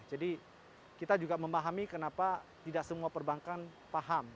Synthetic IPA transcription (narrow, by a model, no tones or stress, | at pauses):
d͡ʒadi | kit̪ad͡ʒuɡaməmaɦamikənapat̪idaʔsəmuapərbaŋkan | paɦam